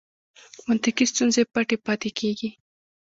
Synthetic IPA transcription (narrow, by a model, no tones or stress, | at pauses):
mʊnt̪ɪkist̪unzepaʈepɑt̪ekʰeɡi